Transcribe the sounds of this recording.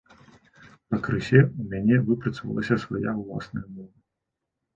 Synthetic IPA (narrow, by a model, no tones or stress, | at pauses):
pɐkɾɨsʲɛumʲanʲɛvɨpɾɐt̪svɐ̰lˠɐ̰sʲɐsvajawlˠa̰snɐjɐmɔvɐ